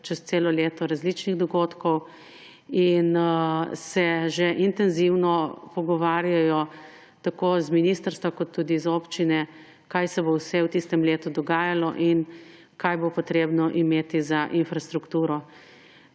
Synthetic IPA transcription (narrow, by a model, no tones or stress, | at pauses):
t͡ʃɛst̪seːlɔleːt̪ɔɾazlit͡ʃniɣd̪ɔɡoːt̪kɔw | in | sɛʒɛʔint̪ɛnziwnɔpɔɡɔʋaːɾjajɔ | t̪akoːzminist̪əɾst̪ʋakɔt̪ʰːuːd̪izopt͡ʃinɛ | kajsɛbowsɛwt̪ist̪ɛmleːt̪ud̪ɔɡaːjalɔʔin | kajbopɔt̪ɾeːbnɔʔimeːt̪izaʔinfɾast̪ɾukt̪uːɾɔ